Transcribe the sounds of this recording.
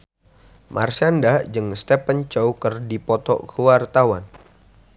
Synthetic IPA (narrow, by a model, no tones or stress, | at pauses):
mʔa̰rsandad͡ʒɨŋst̪ɛpənt͡ʃoukərdipɔt̪ɔ̰ʔkʰəwart̪awan